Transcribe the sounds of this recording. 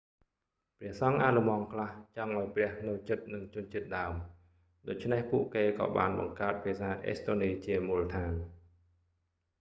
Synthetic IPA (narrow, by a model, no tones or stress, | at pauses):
prɛ̆əhsɑŋʔaːlumɑːŋkʰlaht͡ɕɑŋʔaɔjprɛ̆əhnɨwt͡ɕɨt̪̚nɨŋt͡ɕʊ̆ənt͡ɕiət̪̚ɗaəm | ɗoːc̚t͡ɕʰnehpuəʔkeːkɑ̰ːɓa̰ːnɓɑ̰ŋkaət̪̚pʰeːsaːʔḛːst̪oːniːt͡ɕiəmuːlət̪ʰaːn